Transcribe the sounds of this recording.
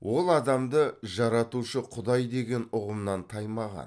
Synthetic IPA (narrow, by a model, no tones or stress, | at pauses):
wʔo̞lˠɑd̪ɑmd̪əʒɑɾɑt̪uʃəqʰʊd̪ɑjd̪e̞ɡʲe̞nʊʁəmnɑnt̪ʰɑjmɑʁɑ̰n